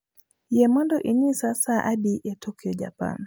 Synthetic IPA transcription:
jɛmɔndɔʔiɲisasaʔabiʔɛtʰɔkiɔd͡ʒa̰pa̰n

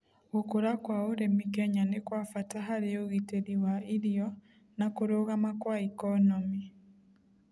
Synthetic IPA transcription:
ɣokoɾakwaoɾemikɛɲanekwafataɦaɾeoɣiteɾiwaiɾiɔ | nakoɾoɣamakwaikɔnɔmi

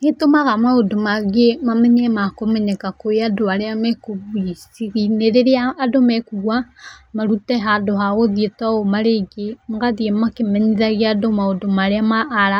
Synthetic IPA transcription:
hetomaɣamaodomaɡemameɲemakomeɲekakojadoaleamekoβuisiɣineɾeɾeaːdomekuɣwamaɾuteɦadoɦaɣoðietaomaɾeɡemuɡaðiemakimeɲiðaɣjadomaodomaɾeamaːɾa

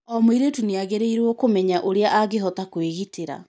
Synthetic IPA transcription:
ɔmwiɾetuneaɣeɾeiɾwɔkomɛɲaʔoɾeaʔaɣeɦɔtakweɣitʰeɾa̰

